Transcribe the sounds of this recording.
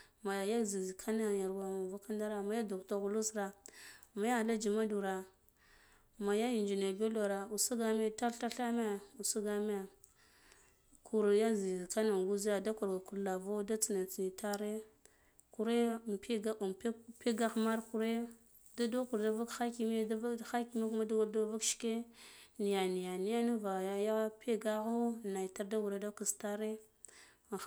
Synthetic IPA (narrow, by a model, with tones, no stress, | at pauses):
ma˨ja˨ja˦zi˨zkʰa˦na˨ja˨ɾwa˨ma˨va˦ka˦nda˦ɾa˨ma˨ja˦du˨kta˦˨ɣu˨lu˦sɾa˨ma˨ja˦˨la˦d͡ʒi˨ma˦du˨ɾa˨ | ma˨ja˦i˨nd͡ʒi˨ne˨be˦lo˨ɾa˨u˨su˦ɡa˦me˦ta˦ɬa˦ɬa˦me˦˨u˨su˦ɡa˦me˦˨ | kʰu˨ɾja˦zi˨zka˦na˨ŋ˨ɡu˦zi˦a˨da˦ku˨ɾɡa˨ku˨ɾla˨vo˦da˦t͡si˨na˨t͡si˨ni˨ta˦ɾe˦ | ku˨ɾe˦˨m˨pe˦ɡa˦u˨m˨ppe˦ɡa˦xma˦ɾku˨ɾe˦ | da˦do˦ku˨ɾda˦va˦kxa˦ki˦m˦da˦va˦xa˦ki˦ma˦ku˦ma˦da˦a˦da˦va˦kʃke˦ni˨ja˨ni˨ja˨ni˦ja˦na˦va˨ja˦ja˦pe˦ɡa˦ɣo˦na˨jta˦ɾda˦wu˨ɾa˦da˦ku˨sta˦ɾe˦˨˦